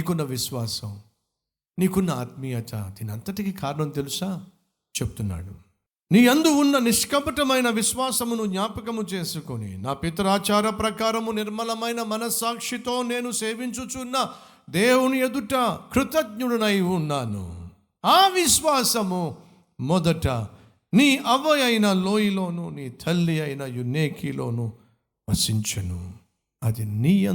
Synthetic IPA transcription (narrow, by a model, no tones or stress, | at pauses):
iːkunːɐʋiʃʋaːsɐ̰m | niːkunːɐa̰ːt̪̚mijɐt̪a̰d̪iːniɐnt̪ɐʈikikaːɾɐɳɐmt̪e̞lusaː | t͡ʃebut̪unːa̰ːɽu | niːend̪uːnːɐniʂkɐpɐʈɐmɐjnɐʋiʃʋaːsɐmunuɡɲaːpɐkɐmut͡ʃe̞ːsukonḭnaːpit̪ɐɾaːt͡ʃaːɾɐpɾɐkaːɾɐmuniɾmɐlɐmɐjnɐmɐnɐsaːkʂit̪o̞ːne̞ːnuseːʋiɲt͡ʃut͡ʃunːɐ | d̪eːwunued̪uʈɐkɾut̪ɐd̪ɲuɽɐnɐjunːaːnṵ | aːʋiʃʋaːsɐmu | mɔd̪ɐʈɐ̰ | niːʔɐʋɐjɐjnɐlo̞ːjilo̞ːnuniːt̪ʰɐlːiɐjnɐjunːeːkʰilo̞̰ːnu | ʋɐsiɲt͡ʃɐnṵ | ɐd̪inijɐ